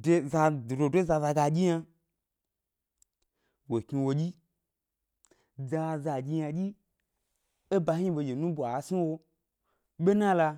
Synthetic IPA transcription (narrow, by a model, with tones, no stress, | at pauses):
de˧za˧do˨do˨dʷo˦za˧za˧ɡa˧ɡʲi˦ɲa˧ | wo˨kɲi˧wo˧ɡʲi˦ | d͡za˧za˧ɡʲi˧ja˧ɡʲi˦ | e˦ba˧hi˦ɓo˧je˨nũ˦bʷa˨˦si˦wo˧ | ɓʲe˦nã˦la˧